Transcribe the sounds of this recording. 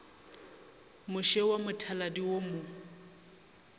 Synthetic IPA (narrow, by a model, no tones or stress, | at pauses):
mʊʃɛwamʊtʰaladiwomʊ